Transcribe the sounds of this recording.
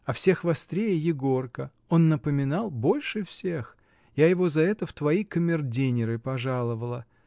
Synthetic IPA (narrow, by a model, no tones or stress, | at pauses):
ɐfsʲe̞xvɐst̪ɾʲejɪjɪɡo̞rkə | o̞nːəpəmʲɪnɑlˠbo̞lʲʂɨfsʲe̞x | jajɪvo̞zɐɛt̪əft̪vɐikəmʲɪrdʲenʲɪɾɨpɐʐalˠəvəlˠə